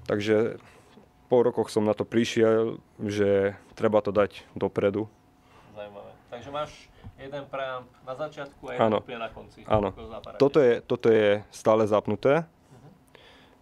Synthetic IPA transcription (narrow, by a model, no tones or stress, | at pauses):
t̪aɡʒɛ | pɔɾɔkɔxsɔmnat̪ɔpɾiʃɪɛl | ʒɛt̪ɾɛbat̪ɔd̪aɟd̪ɔpɾɛd̪u | zaumaʋɛt̪aɡʒɛmaːʃ | jɛd̪ɛnpɾɛampnazat͡ʃɪat̪kuajaːnɔ̰pɛnakɔnt͡siʔa̰ːnɔaaɔɔjɛt̪ɔt̪ɔjɛst̪aːlɛzapnut̪ɛː